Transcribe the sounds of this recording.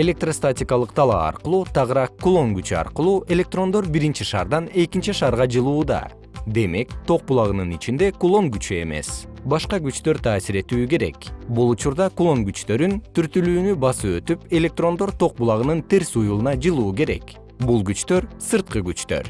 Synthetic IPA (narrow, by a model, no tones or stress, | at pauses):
e̞lʲe̞k̚t̪rost̪atʲikɑlˠɯqt̪ʰɑlˠɑ̰ɑ̰ɾqɯlˠuːt̪ʰɑʁɯɾɑkːulˠo̞ŋɡyt͡ʃyɑ̰ɾqɯlˠuːʔe̞lʲe̞k̚t̪ro̞nd̪o̞ɾbiɾint͡ʃiʃɑ̰ːɾd̪ɑne̞kint͡ʃiʃɑːɾʁɑd͡ʒɯlˠuːd̪ɑ̰ | d̪e̞me̞kt̪ʰo̞q̚bulˠɑʁɯnɯnit͡ʃind̪e̞kulˠo̞ŋɡyt͡ʃye̞̰me̞̰s | bɑʃqɑɡyt͡ʃt̪ø̞ɾt̪ʰɑːsiɾe̞t̪yːke̞ɾe̞̰kbulˠut͡ʃuɾd̪ɑkulˠo̞ŋɡyt͡ʃt̪ø̞ɾynt̪yɾt̪ylyːnybɑsɯø̞t̪ype̞lʲe̞k̚t̪ro̞nd̪o̞ɾt̪ʰo̞q̚bulˠɑʁɯnɯnt̪e̞ɾsujulˠɯnɑd͡ʒɯlˠuːk̬e̞ɾe̞̰k | bulˠɡyt͡ʃt̪ø̞ɾsɨɾt̪̚qɯɡyt͡ʃt̪ø̞̰ɾ